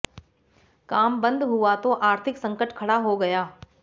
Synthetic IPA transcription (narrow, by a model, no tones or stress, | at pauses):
kaːmbə̃nd̪ɦuat̪oʔaːɾt̪ʰɪksɐ̃ŋkəʈkʰɐɽaɦoɡɐjaː